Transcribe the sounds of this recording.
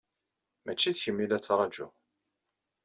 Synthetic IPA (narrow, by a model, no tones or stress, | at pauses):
mæt͡ʃːiðçəmːilæt͡sːɾˤɑd͡ʒṵ